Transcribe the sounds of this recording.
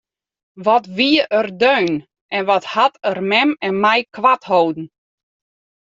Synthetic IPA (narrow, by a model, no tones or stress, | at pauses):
ʋɔtʋiəʔərdøːn | ʔɛnʋɔthatərmɛmɛnmɛjkʋathowdn̩